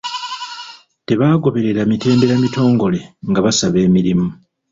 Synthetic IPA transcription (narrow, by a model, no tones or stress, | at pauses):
te̞βaːɡo̞βe̞ɾe̞ɾamite̞ːmbe̞ɾamito̞ːŋɡo̞le̞ŋɡaβasaβe̞ːmiɾimu